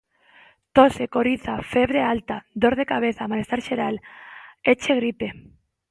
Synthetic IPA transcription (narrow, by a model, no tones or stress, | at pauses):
t̪osekoɾiθafeβɾealt̪ad̪oɾðekaβ̞eθaːmalest̪aɾʃeɾal | et͡ʃeɣɾipe